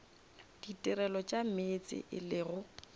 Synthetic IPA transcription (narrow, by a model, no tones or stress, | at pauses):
d̥itʼɪrɛlɔt͡ʃʼamet͡sʼɪ̰ʔɪlɪɣʊ